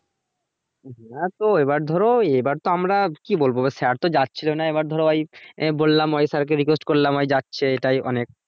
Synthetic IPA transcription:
ɦt̪oebaɾd̪ʱɔɾoebaɾt̪oamɾakibolbobesɛaɾt̪od͡ʑatːɕʰilonaebaɾd̪ʱɔɾoajbolːamɔjsaɾk̬eɾik̬wesʈkoɾlamɔjd͡ʑatːɕʰeeʈajɔ̰nek̚

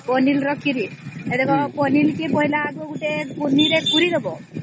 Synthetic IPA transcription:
pɔnilɾɔkʰiɾied̪ekɔpɔnilkepɔɦilaːɡuɡuʈepuniɾekuɾiɾɔbɔ

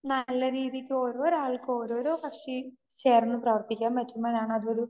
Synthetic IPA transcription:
nɐlːɐɾiːðikʲːɨo̞ːɾo̞ːɾaːɭkːɨo̞ːɾo̞ːɾo̞ːpɐkʂe | t͡ɕe̞ːrɐnːɨprɐʋɐrt̪ikʲːaːmpɐtːumboːɾaːɳɨɐðuo̞ɾu

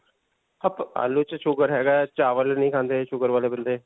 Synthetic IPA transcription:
əpa̰ːlːut͡ʃʃʊɡəɾɦɛːɡaːt͡ʃaːʋəlnəĩːkʰãːnd̪eːʃʊɡəɾʋaːleːbənd̪eː

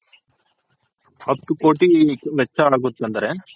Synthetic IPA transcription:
ɐt̪ːukoːʈiʋɛt͡ʃːɐaːɡut̪ːɐnd̪ɐɾe

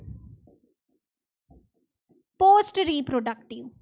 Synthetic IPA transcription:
poːsʈɾiːpɾoɖɐk̚ʈiʋ

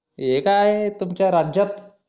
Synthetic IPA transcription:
ekaaɦet̪umt͡ɕjaɾad͡ʑat̪

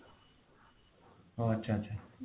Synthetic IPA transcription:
oətːɕʰaətːɕʰa

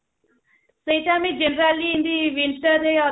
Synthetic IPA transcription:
sejʈamid͡ʒenɾaliːnd̪iʋiɳʈəɾeɔ

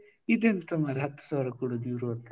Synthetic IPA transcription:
id̪ent̪ɐmaːɾɦɐt̪ːu̥saːʋɾɐkuːɽod̪jiːɾuɐnt̪ːe

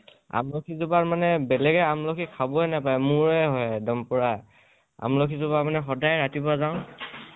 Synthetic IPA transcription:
a̰mlokʰizubaɹmanɛbɛlɛɡɛamlokʰikʰabɔɛnapajmuɹɛɦɔjdɔmpʊɹaj | a̰mlokʰizʊbaɹmanɛxɔdajɹatibazãʊ̃

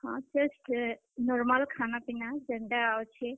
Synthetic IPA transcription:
hãd͡ʒəsʈ | nɔɾmalkʰanapinad͡ʒeɳɖaawt͡ʃʰi

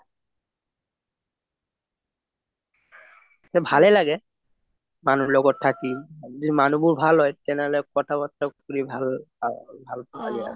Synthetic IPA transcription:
sɛbʱalɛlaɡɛ | manuɹlɔɡɔtʰːakiziimanubuɹbʱalɦɔjtɛnɛɦɔlɛkɔtʰabɔtːɔkkuɹibʱal | bʱalpɔkadija̰

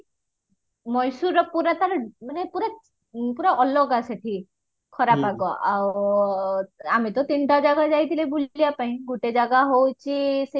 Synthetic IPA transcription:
mɔjsuɾɔpuɾat̪aɾmanepuɾa | puɾaɔlɔɡaseʈʰi | kʰɔɾapaɡɔʔaw | amit̪ɔt̪inʈad͡ʒaɡad͡ʒajt̪ʰilebulijapaɦĩɡuʈed͡ʒaɡaɦowt͡ʃʰise

